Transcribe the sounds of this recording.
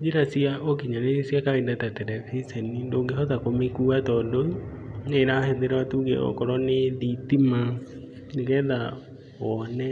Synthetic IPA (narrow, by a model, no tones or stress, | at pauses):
d͡ʒeɾasiaokiɲanesiakaendatatɛɾɛfisɛnindoŋɡehɔðakomekuːatɔndoneɾahɛðeɾaatuːɡḛɔ̰kɔɾɔneðitima | nekɛða | wɔnɛ